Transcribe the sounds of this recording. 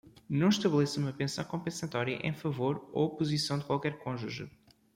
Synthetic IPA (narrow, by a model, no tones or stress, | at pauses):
nɐ̃w̃ʃt̪ɐβlˠɛsumɐpẽsɐ̃w̃kõpẽsɐt̪ɔɾjɐʔḛ̃j̃fɐvoɾo̰puzisɐ̃w̃d̪ɨkwalˠkɛɾkõʒuʒṵ